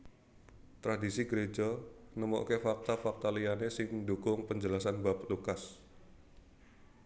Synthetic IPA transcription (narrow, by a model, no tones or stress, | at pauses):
t̪ɾadisiɡəɾed͡ʒanəmɔ̰ʔkefak̚t̪afak̚t̪alijanesɪŋdukʊŋpəɲd͡ʒəlasanbap̚lukas